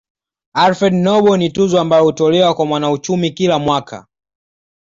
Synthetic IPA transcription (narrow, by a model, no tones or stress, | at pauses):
aɾfɛdnɔɓɔnituzɔambajɔhutɔlɛwakwamwanaut͡ʃumikilamwakʰa̰